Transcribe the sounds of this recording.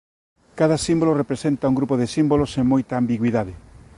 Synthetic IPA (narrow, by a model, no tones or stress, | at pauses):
kaðɐsimbolorepɾesent̪auŋɡɾupoðɪsimboloseŋmojt̪aːmbiɣwiðaðɪ